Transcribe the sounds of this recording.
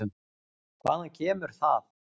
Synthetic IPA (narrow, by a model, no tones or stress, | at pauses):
ʏm | kʰva̰ːðancʰɛːmʏɾ̥θað